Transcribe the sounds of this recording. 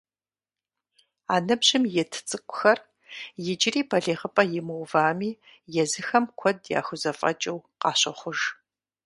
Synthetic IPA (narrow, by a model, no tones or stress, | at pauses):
aːnɨbʑɪmjɛtʰt͡sʼɨkʷʼʊ̥xɐr | jɪd͡ʒɪriːpʰɐɮeːʁəpʼɐjɪmɨwvaːmiː | jɛzɨxɐmkʷʰɔdja̰ːxʷʊzɐfʼɐ̰t͡ʃʼɐwqɑːɕʼɐχʷʊʒ